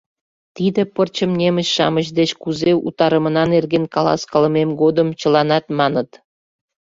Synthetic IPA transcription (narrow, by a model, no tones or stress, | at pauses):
t̪id̪ĕpərt͡ɕə̆mnʲeməɕʃɑ̰məʑd̪et͡ɕkuzeṵt̪ɑɾə̆mə̆nɑnerɡenkɑlɑ̰skɑlə̆memɡod̪əmt͡ɕə̆lɑnɑt̪mɑnət̪